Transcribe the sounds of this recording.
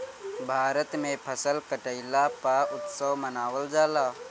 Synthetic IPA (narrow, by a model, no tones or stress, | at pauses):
bʱaːɾət̪mẽpʰəsəlkəʈəɪlapaʔʊt̪səwmənaːwəld͡ʒaːlaː